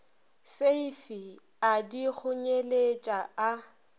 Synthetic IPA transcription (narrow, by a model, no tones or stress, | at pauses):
seifi | adik͡xʰʊɲelet͡ʃʼaa